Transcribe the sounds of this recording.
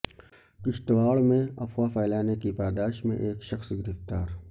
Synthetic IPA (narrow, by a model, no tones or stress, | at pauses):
kɪʃʈ̪ʋaːɭmẽɐfwafaːlaːnekipaːd̪aːʃmḛ̃ʔeːkʃɐxsɡɪɾɪft̪aːɾ